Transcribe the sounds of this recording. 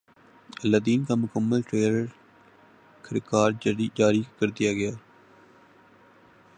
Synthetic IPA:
ləd̪iːnkaːmʊkəmːəlʈɾeːləɾ | kʰəɾkaːɾd͡ʒaːɾiːkəɾd̪ɪjaːɡɪjaː

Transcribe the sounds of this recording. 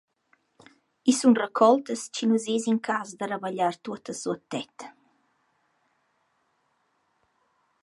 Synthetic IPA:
isunrəkʰɔlt̪əst͡ʃinuzeziŋkʰazd̪əɾəvaʎaɾt̪uət̪əsuət̪ːɛt̪

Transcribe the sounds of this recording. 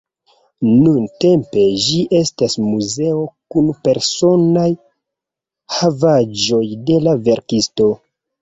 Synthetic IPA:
nunte̞mpe̞d͡ʒiʔe̞stasmuze̞o̞kunpe̞ɾso̞naj | havad͡ʒo̞jde̞lave̞ɾkisto̞

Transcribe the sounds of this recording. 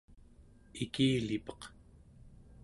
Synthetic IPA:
ikiːlipʌ̥q

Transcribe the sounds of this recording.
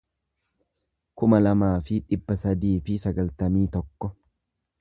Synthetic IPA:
kʊmɐlɐmaːfɪᶑɪbːɐsɐd̪iːfɪsɐɡɐlt̪ɐmiːt̪ɔkːɔ

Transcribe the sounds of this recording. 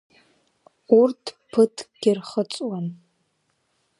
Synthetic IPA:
urtʰpʰɨtʰɡ̥ʲɪrχət͡sʼwan

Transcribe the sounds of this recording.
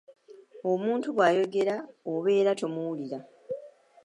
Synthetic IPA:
omuːntuβwaːjo̞ɡe̞ɾaoβe̞ːɾato̞muwuliɾa

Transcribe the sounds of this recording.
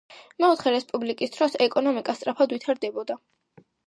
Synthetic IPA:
mɛɔt̪ʰχɛɾɛspʼublikʼisd̪ɾɔsɛkʼɔnɔmikʼast̪sʼɾapʰad̪wit̪ʰaɾd̪ɛbɔd̪a

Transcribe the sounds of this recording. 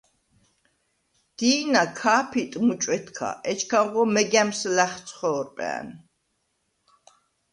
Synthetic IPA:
d̪̥iːnakʰaːpʰit̪ʼmut͡ʃʼwɛt̪ʰkʰa̰ʔɛt͡ʃʰkʰaʁɔmɛɡɛmslæχt̪sʰχɔːɾpʼɛ̰ːn

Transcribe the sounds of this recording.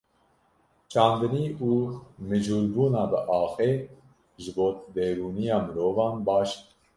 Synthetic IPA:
t͡ʃʰɑːnd̪ɨniːuːmɨd͡ʒuːɾbuːnɑːbɨʔɑːxeː | ʒɨboːd̪eːɾuːnijɑːmɨɾoːvɑːnbɑːʃ

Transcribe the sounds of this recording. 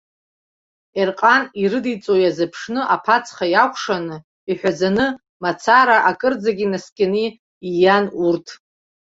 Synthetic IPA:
erqʼaniɾɨdit͡sʼojazɨpʰʂnɨʔapʰat͡sʰχajakʷʰʂanɨ | iħʷᶣad͡zanɨ | mat͡sʰaɾaʔakʼɨrd͡zaɡʲinaskʲʼɪniː | janurtʰ

